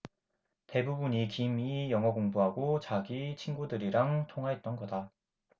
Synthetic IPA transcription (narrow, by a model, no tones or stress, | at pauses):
te̞bubuɲikimijʌŋɦʌkoŋbuɦaɡot͡ɕaɡit͡ɕʰinɡudɯɾiɾaŋtʰoŋɦwaɦe̞t̚t͈ʌnɡʌda